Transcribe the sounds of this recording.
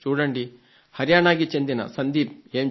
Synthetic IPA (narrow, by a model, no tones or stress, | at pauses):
t͡ʃuːɽɐɳɖi | hɐɾjaːɳaːɡit͡ʃind̪inɐ̰sɐnd̪iːp̚eːm